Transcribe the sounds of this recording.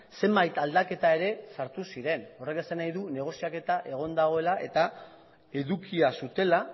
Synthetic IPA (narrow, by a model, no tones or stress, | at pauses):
se̞mbajt̪ald̪ake̞t̪ae̞ɾe̞saɾt̪usiɾe̞no̞re̞kesanajðune̞ɣ̞o̞siake̞t̪aʔe̞ɣ̞o̞nd̪aɣ̞o̞e̞laʔe̞t̪a | e̞ðukiasut̪e̞la